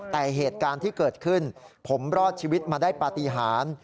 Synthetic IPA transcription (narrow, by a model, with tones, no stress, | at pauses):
t̪ɛː˨˩ɦeː˨˩t̪̚kaː˧nt̪ʰiː˥˩kɤː˨˩t̪̚kʰɯ˥˩npʰo˩˦mɾɔː˥˩t̪̚t͡ɕʰiː˧wi˦˥t̪̚maː˧daː˥˩jpaː˧t̪i˧˦ɦaː˩˦n